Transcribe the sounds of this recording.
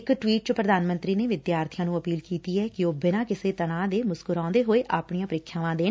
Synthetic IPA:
kʈʋiːʈ̚t͡ʃəpɾəd̪aːnmə̃nt̪ɾiːneːʋɪd̪jaːɾt̪ʰijãːnũːəpiːlkiːt̪iːɛːkɪoːbɪnãːkɪseːt̪əɽ̃ãːd̪eːmʊskʊɾãːnd̪eːɦoːeːʔaːpɳijãːpəɾɪkʰːjaːʋãːd̪eː

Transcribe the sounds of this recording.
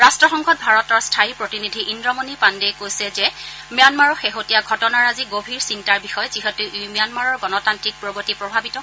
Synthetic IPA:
ɹastɹɔxɔŋkʰɔt̚bʱaɹɔtɔɹstʰajipɹotinidʱiʔindɹɔmonipandekojsɛzɛ | mjanmaɹɔxeɦotijaɡʱɔtɔnaɹaziɡobʱiɹsintaɹbixɔjziɦetuʔumijanmaɹɔɹɡɔnɔtantɹik̚pɹɔbotipɹɔbʱabitɔ

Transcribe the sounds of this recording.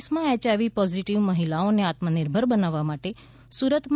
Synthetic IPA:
smãɛt͡ʃaʋipɔziʈiʋməɦilaoneat̪mənɪɾbʱəɾbənaʋːamaʈe | suɾət̪ʰm

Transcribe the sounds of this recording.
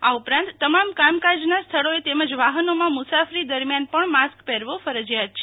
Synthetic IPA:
aupɾãnt̪ːəmamkamkad͡ʒnast̪ʰəɭoet̪eməd͡ʒʋaɦənomãmʊsafɾid̪əɾmjanpəɳmaskpɛɾʋofəɾəd͡ʒjat͡ʃʰe

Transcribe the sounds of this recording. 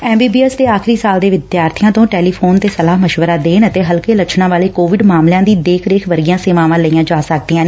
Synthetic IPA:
ɛːmbiːbiːɛsd̪eːaːxɾiːsaːld̪eːʋɪd̪jaːɾt̪ʰijãːt̪õːʈɛːliːpʰoːnt̪eːsəlaːɦməʃʋəɾaːd̪eːnət̪eːɦəlkeːlət͡ʃʰnãːʋaːleːkoːʋɪɖmaːmljãːd̪iːd̪eːkʰɾeːkʰʋəɾɡijãːseːmaːʋãːləiːãːd͡ʒaːsək̚d̪iːãːneː

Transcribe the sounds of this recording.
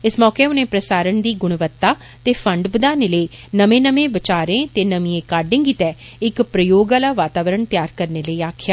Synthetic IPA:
ɪsmɔːkeːʊnẽːpɾəsaːɾəɳd̪iːɡʊɽ̃ʋət̪ːaː | t̪eːpʰəɳɖbəd̪aːneːləiːnəmẽːnəmẽːʋɪt͡ʃaːɾẽːt̪eːnəmĩːẽːkaːɾɖɪ̃ːŋɡiːt̪ɛː | ɪkpɾəjoːɡaːlaːʋaːt̪aːʋəɾəɳt̪ɪjaːɾkəɾneːləiːaːkʰjaː

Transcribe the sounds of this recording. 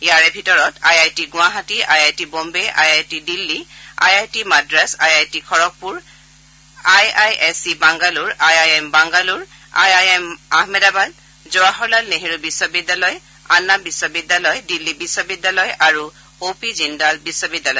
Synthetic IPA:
jaɹɛbʱitɔɹɔtajajtiɡʊaɦatiʔajajtibombeʔa̰jajtidilːia̰jajtimadɹasajajtikʰɔɹɔk̚puɹ | ajajɛsibaŋɡaluɹajajɛmbaŋɡaluɹ | a̰jajɛmaɦmɛdabad | zɔwaɦɔɹlalneɦiɹubisɔbidːalɔj | anːabisːɔbidːalɔjdilːibisobidːalɔjaɹu | opizindalbisːobidalɔj

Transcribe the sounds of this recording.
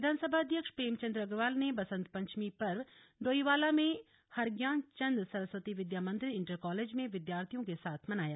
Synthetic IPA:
ɪd̪ʱaːnsəbʱaɐd̪ʱjəkʃpɾeːmt͡ʃɐ̃nd̪ɾɐɡɾʋaːlnebɐsə̃nt̪̚pɐ̃ɲt͡ʃmipɐɾ | ɖoːiʋaːlamẽ | hɐɾɡjãːnt͡ʃɐ̃nd̪ɾsɐɾəsʋət̪iʋɪd̪jaːmə̃nt̪ɾiɪ̃ɳʈəɾkɔːleːd͡ʒmẽʋɪd̪jaːɾt̪ʰijõkesaːt̪ʰmɐnaːja

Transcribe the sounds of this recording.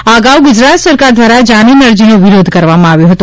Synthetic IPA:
aɡauɡʊd͡ʒɾat̪səɾkaɾd̪ʋaɾad͡ʒaninəɾd͡ʒinoʋɪɾod̪ʱkəɾʋamãaʋjoɦət̪u

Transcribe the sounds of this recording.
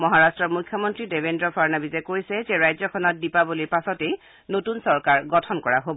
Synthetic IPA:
mɔɦaɹastɹɔɹmujkʰjɔmɔntɹidebendɹɔpʰaɹnabizɛkoɹisɛzɛɹajzɔkʰɔnɔt̚dipabɔlipasɔtej | notunsɔɹkaɹɡɔtʰɔnkɔɹaɦobɔ

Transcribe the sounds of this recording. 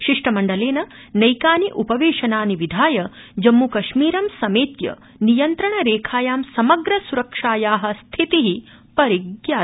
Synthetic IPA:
ʃiʂʈɐmɐɳɖɐleːnɐ | nɐjkaːniʔupɐʋeːʃɐnaːniʋid̪ʱaːjɐd͡ʒɐmːukɐʃmiːɾɐmsɐmeːt̪jɐ̰ | nijɐnt̪ɾɐɳɐɾeːkʰaːjaːmsɐmɐɡɾɐsuɾɐkʂaːjaːɦɐ̆st̪ʰit̪iɦi | pɐɾiɡjaː

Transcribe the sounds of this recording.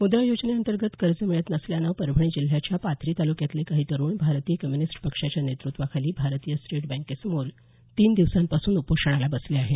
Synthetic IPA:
mud̪ɾajod͡ʑneənt̪əɾɡət̪kəɾd͡zəmiɭət̪nəsljanəpəɾbʱəɳ̃id͡ʑil̤ɦjat͡ɕjapat̪ʰɾiːt̪alukjat̪lekaɦiːt̪əɾuːɳbʱaɾt̪ijəkəmjunisʈpəkʂat͡ɕjanet̪ɾut̪ʋakʰaliːbʱaɾt̪ijəsʈeʈbæ̃ŋkesmol | t̪iːnd̪iʋsampasuːnupoʂəɽ̃alabəsleaɦe

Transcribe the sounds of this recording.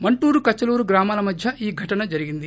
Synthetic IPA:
mɐɳʈuːɾukɐt͡ʃːɐluːɾuɡɾaːmaːlɐmɐd̪ʱjɐʔiːɡʱɐʈɐnɐd͡ʒɐɾiɡind̪i

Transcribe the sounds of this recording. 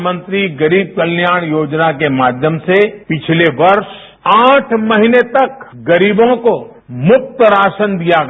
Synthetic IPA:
mə̃nt̪ɾiɡɐɾiːb̚kɐlnjaːɽ̃joːd͡ʒnakemaːd̪ʱjəmsepɪt͡ʃʰleʋɐɾʃ | aːʈʰmɐɦinet̪ɐkɡɐɾiːbõko | mʊk̚t̪əɾaːʃənd̪ijaɡ

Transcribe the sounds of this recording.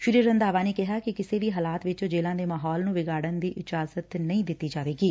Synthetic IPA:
ʃɪɾiːɾənd̪aːʋaːneːkɪɦaːkɪkɪseːʋiːɦaːlaːt̪ʋɪt͡ʃd͡ʒeːlãːd̪eːmaːɦɔːlnũːʋɪɡaːɽənd̪iːʔɪd͡ʒaːzət̪nəĩːd̪ɪt̪ːiːd͡ʒaːʋeːɡiː

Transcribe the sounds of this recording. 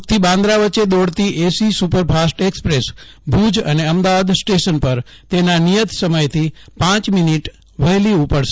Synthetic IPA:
t̪ʰibãnd̪ɾaʋəːt͡ʃed̪oɽt̪iʔesisupəɾpʰasʈekspɾesbʱud͡ʒə̰neəmd̪aʋad̪sʈeʃənpəɾ | t̪enanijət̪səməjt̪ʰipãt͡ʃminiʈ | ʋəɦliupəɽʃ

